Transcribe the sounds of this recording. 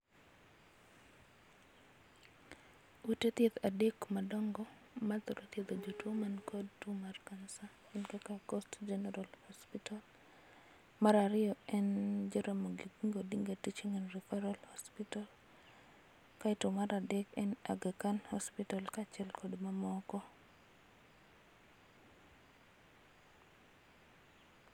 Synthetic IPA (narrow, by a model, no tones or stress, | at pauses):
utet̪jet̪adekmadɔŋɡɔ | mat̪ɔɾʔot̪jed̪od͡ʒotwomankodtumarkansa | ɛnkakakɔstd͡ʒɛnɛɾalhɔspital | maɾaɾɪɔɛnd͡ʒiɾamoɡiɡiŋɡodiŋɡatit͡ʃiŋɛnɾifɛɾalhɔspital | kaitumaɾadɛkɛna̰ɡakanhɔspitalkat͡ʃɛlkʰɔdmamɔkɔ